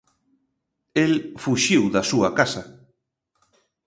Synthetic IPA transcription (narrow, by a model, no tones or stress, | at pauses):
elfuʃiwðɐsuɐkasɐ